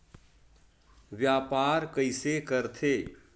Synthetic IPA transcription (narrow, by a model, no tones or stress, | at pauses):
ʋjaːpaːɾkəɪsekəɾt̪ʰeː